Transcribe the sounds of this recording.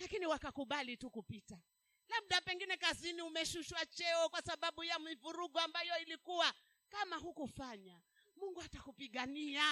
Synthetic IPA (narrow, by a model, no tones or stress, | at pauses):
lakiniwakakuɓalitukupita | laɓ̚ɗapɛŋɡinɛkaziniumɛʃuʃwat͡ʃɛɔkwasaɓaɓujamivuɾuɠɔambajɔilikuwa | kamaɦukufaɲa | muŋɡuatakupiɠania